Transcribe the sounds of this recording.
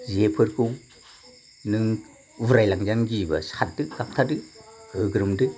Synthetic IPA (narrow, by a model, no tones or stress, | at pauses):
ziepʰɯɾkʰɯw | nɯŋ | buɾajlaŋzanɡiba̰sat̚dɯɡap̚tʰadɯhɯɡɾɯmdɯ